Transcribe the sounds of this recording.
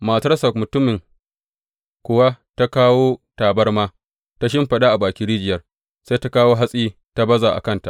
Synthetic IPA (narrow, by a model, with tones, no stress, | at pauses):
maː˨tɐ˦rsɐ˨mʊ˨tʊ˦mːɪ˨ŋ | kʷʊ˨wa˦ | ta˦kaː˦woː˦taː˨bɐ˦rmaː˦ | ta˦ʃ̬ɪ˦mɸɐ˨ɗa˦ʔa˨baː˨kʲiː˦ɾiː˦d͡ʒɪ˨jɐ˦r | se˦ta˦kaː˦woː˦ɦa˦sʼiː˦ | ta˦bɐ˦za˨ʔa̰˨kɐ˦˨nta̰˨ʔ